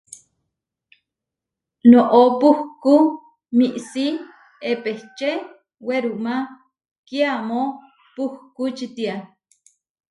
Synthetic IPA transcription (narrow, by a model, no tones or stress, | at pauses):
noʔopuhku | miʔsi | epeht͡ʃe | weɾuma | kiamo | puhkut͡ʃit̪ia